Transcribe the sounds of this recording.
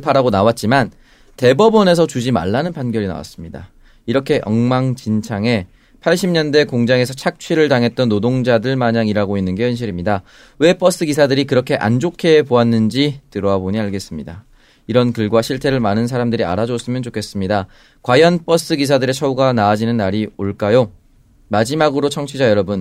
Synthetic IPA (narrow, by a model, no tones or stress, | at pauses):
pʰaɾaɡonawat̚t͡ɕ͈iman | te̞bʌbʌne̞s̬ʰʌt͡ɕud͡ʑima̰ɭːanɯnpanɡjʌɾina̰wa̰s͈ɯmɲida̰ | iɾʌkʰe̞jʔʌ̰ŋmaŋt͡ɕint͡ɕʰaŋe̞ | pʰaɭɕʰimɲʌnde̞koŋd͡ʑaŋe̞sʰʌt͡ɕʰak̚t͡ɕʰɥiɾɯɭtaŋɦe̞t̚t͈ʌnːodoŋd͡ʑadɯɭmaɲaŋiɾaɡoinːɯnɡe̞hjʌnɕ̬ʰiɾimɲida | we̞p͈ʌs͈ɯkis̬ʰadɯɾikɯɾʌkʰe̞ʔa̰nd͡ʑokʰe̞poanːɯnd͡ʑitɯɾʌaboɲiaɭɡe̞s͈ɯmɲida | iɾʌnkɯɭɡwaɕʰiɭtʰe̞ɾɯɭmanɯnsʰaɾamdɯɾia̰ɾad͡ʑos͈ɯmjʌnt͡ɕokʰe̞s͈ɯmɲida | kwajʌnp͈ʌs͈ɯkis̬ʰadɯɾe̞t͡ɕʰʌuɡanaːd͡ʑinɯnːaɾioɭk͈ajo | mad͡ʑimaɡɯɾot͡ɕʰʌŋt͡ɕʰid͡ʑajʌɾʌbɯn